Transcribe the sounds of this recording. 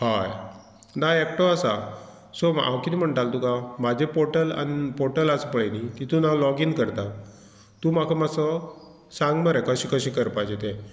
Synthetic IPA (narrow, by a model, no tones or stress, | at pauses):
haj | naek̚ʈɔasa | soma̰wkit̪im̤əɳʈalt̪ukamad͡ʑʱepoʈəla̰nipoɾʈəlasəpəɭenikit̪unalɔɡinkəɾt̪a | t̪uːmakʰamasɔ | sãŋɡməɾakəɕiːkəɕĩkəɾpajd͡ʑet̪e